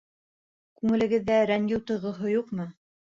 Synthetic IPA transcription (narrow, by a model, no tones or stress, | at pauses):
kʉŋɘ̆lɘ̆ɡɘ̆ðːæɾæŋɡiwt̪ɤ̆jʁŏɦojuqmɤ